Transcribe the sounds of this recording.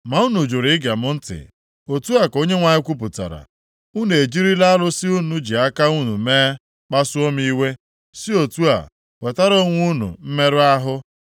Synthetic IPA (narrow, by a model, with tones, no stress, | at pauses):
ma˨u˦nu˨d͡ʒʊ˨ɾi˨˦ɪ˦ɡa˨mʊ˦n̩˦tɪ̰˨ | o˨tu˦a˨ko˦ɲe˦ŋʷa˨ɲɪ˦kʷu˦p̬ʊ˨ta̰˨ɾa̰˨ | u˦n˨e˨d͡ʒi˦ɾi˦la˦lʊ˦si˦u˦nu˨d͡ʒi˨a˦ka˦u˦nṵ˨meː˦ | k͡pa˦sʊ˦o˦m˦i˦we˦ | si˦o˨tu˦a̰˨ | we˨ta˦ɾo˦ŋʷu˦nṵ˨m̩˦me˦ɾʊ˦a˦ɦʊ˦